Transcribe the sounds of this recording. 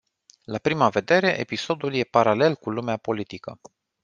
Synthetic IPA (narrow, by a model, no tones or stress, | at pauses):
lapɾimave̞d̪e̞ɾe̞ʔḛpiso̞d̪ulje̞paɾale̞lkulumeapo̞lit̪ikə